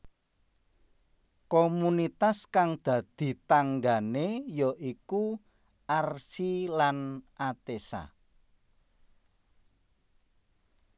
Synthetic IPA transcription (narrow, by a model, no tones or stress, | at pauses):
komunit̪askaŋd̪̥ä̤d̪̥i̤t̪aŋɡanejɔʔiku | ʔarsilanʔat̪esa̰